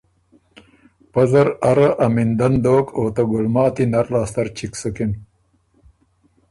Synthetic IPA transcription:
pɐzɐɾɐɾɐʔɐmind̪ɐnd̪oːkoːt̪ɐɡulmɑːt̪inɐɾlaːst̪ɐɾt͡ɕʰiksukin

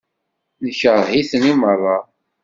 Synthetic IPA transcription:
nəçəɾˤhiθənimərˤːɑ

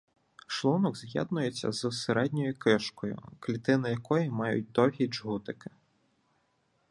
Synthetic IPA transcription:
ʃlˠunɔɡzjɛ̰d̪nʊjet͡sʲːɐ̰zseɾɛdʲnʲɔjʊkɪʃkɔjʊ̰klʲit̪ɪnɐjɐkɔjimɑjʊ̰t̚ʲd̪ɔɦʲid͡ʒɦut̪ɪkɪ̥

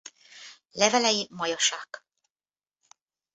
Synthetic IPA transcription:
lɛvɛlɛjimɒjɒʃaːk

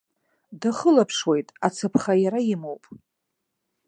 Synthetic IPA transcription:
daχəlapʰʂwe̞jtʼat͡sʰapʰχajaɾajɪmowpʼ

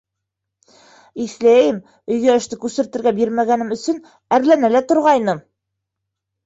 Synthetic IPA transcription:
iθlæjɘm | ɵ̆jɡæɘ̆ʃt̪ɘkʉsɘ̆ɾt̪ɘ̆ɾɡæbiɾmæɡænɘ̆mɵ̆sɵn | æɾlænælæt̪ŏɾʁɑjnɤm

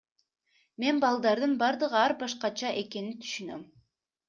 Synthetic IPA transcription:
me̞nbɑlˠd̪ɑɾd̪ɯnbɑɾd̪ɯʁɯɑɾbɑʃqɑt͡ʃɑʔe̞ke̞nit̪ʰy̥ʃynøm

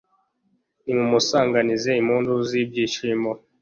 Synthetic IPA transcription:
niŋumusaŋɡanizɛimuːnduzibjiʃimɔ

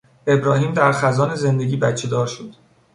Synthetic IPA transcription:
e̞bɾɒːhiːmd̪æɾxæzɒːneze̞nd̪e̞ɟʲiːbæt͡ʃʰed̪ɒːɾʃod̪̥

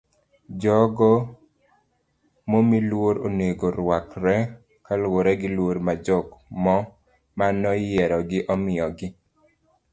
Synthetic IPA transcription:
d͡ʒɔɡɔ | momilwoɾo̰neɡoɾwakɾɛ | kalwoɾɛɡɪlwoɾmad͡ʒɔkmɔ | manɔjɛɾɔɡɪʔɔmɪɔɡɪ

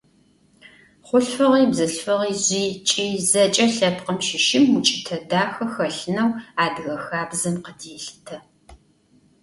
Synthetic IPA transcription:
χʷʊɬfɐʁiːbzɐɬfɐʁiːzʷiːt͡ʃʼiːzɐt͡ʃʼɐɬɐpqəmʃɪʃɪmut͡ʃʼɪtʰɐdaːxɐxɐɬɨnɐwaːdɣɐxaːbzɐmqədeːɬtʰɐ

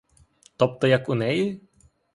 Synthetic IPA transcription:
t̪ɔp̚t̪ɔjɐkʊnɛji

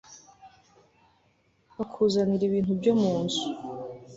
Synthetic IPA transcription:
βakʰuːzaniɾiβiːnhubɟomuːnzu̥

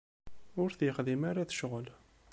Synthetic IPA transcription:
ʊɾθjəχðimaɾaθə̥ʃʁəl

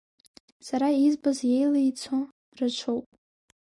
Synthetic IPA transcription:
saɾaizbazje̞jlajt͡sʰo | rat͡ʃʷʰowpʼ

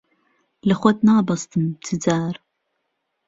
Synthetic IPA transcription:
lɐχʷɔt̪naːbɐst̪ʰɨmtʰɨd͡zaːɾ

